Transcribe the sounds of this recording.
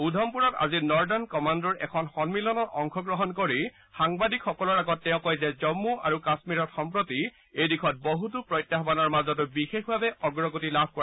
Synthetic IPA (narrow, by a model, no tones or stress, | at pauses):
udʱɔmpuɹɔta̰zinɔɹdɔnkɔmandɔɹɛ̰kʰɔnxɔnmilɔnɔtɔŋkʰɔɡɹɔɦɔnkoɹi | xaŋbadikxɔkɔlɔɹaɡɔtːɛʊ̃kɔjzɛzɔmːuʔaɹukasmiɹɔtxɔmpɹoti | ejdikʰɔt̚bɔɦut̬upɹɔjtjaxbanɔɹmazɔtʊbixexbʱabɛʔɔɡɹɔɡotilabʱkɔa